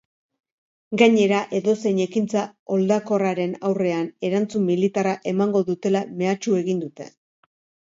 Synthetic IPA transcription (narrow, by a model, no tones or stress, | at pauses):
ɡaɲe̞ɾaʔe̞ðo̞se̞ɲekint͡sao̞ld̪ako̞raɾe̞nawre̞ane̞ɾant͡sumːilit̪araʔe̞maŋɡo̞ðut̪e̞lame̞at͡ʃue̞ɣind̪ut̪e̞̰